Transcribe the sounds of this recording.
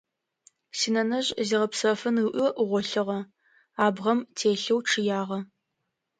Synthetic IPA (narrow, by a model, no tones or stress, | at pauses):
sinɐnɐʑʼziːʁɐpsɐfɨnɨʔʊʔʁʷɔɬɨʁɐ | aːbʁɐmtʰeːɬɐwʈ͡ʂʰɨjaːʁɐ